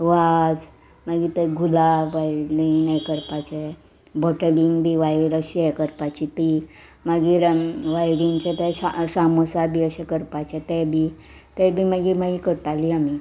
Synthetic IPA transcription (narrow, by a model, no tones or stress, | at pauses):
ʋad͡z | maɡit̪ɛɡʱulaʋajɽiŋnajkəɾpat͡ɕe | bɔʈliŋɡbʱiːʋajɾəɕɛkəɾpat͡ɕit̪i | maɡiɾəʋajɽiŋt͡ɕɛ̃t̪ɛasaməsabʱiːəɕɛ̃kəɾpat͡ɕɛt̪ɛbʱi | t̪ɛbʱiːmaɡimaɡikəɾt̪aliami